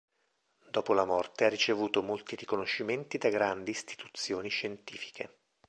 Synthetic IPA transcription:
d̪ɔːpolamɔrt̪earːit͡ʃevuːt̪omolt̪iɾikonoʃːiment̪id̪aɡɾand̪iːst̪i̥t̪u̥t̪sːjoːniʃːent̪iːfi̥kʰḛ

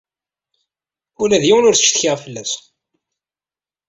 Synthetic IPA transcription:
ʊlæðjɪwənʊɾθə̥t͡ʃːθçəʁfəlːæs

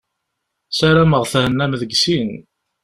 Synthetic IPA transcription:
sæɾæməʁθæhənːæmðəɡsin

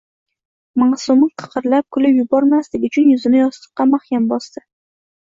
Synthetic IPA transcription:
masʊmɪqʰɨ̥qɨɾlap̚kʰʊlɪpjʊbɒɾmaslɪɡʲʊt͡ʃʰʊnjʊzɪnɪjɒst̪ɨ̥qqːɑmaχjʲambɒst̪ɪ

